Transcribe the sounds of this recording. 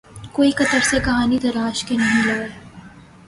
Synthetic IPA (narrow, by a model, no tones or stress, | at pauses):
koːikɐt̪əɾsekɐɦaːnid̪ɐɾaːʃkenɐɦĩlɐʋeː